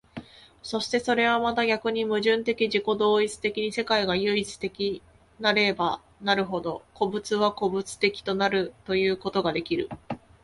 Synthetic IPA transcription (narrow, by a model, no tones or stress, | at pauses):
so̞ɕi̥t̪e̞so̞ɾe̞β̞amat̪aɡʲakɯ̟ɲ̟imɯ̟ʑɨ̃nt̪e̞kʲiʑiko̞d̪o̞ːit͡sɨ̥t̪e̞kʲiɲ̟ise̞kaiɡajɯ̟it͡sɨ̥t̪e̞kʲi | naɾe̞ba | naɾɯ̟ɦo̞d̪o̞ko̞bɯ̟t͡sɨβako̞bɯ̟t͡sɨ̥t̪e̞kʲi̥t̪o̞naɾɯ̟t̪o̞jɯ̟ːko̞t̪o̞ɡad̪e̞kʲiɾɯ̟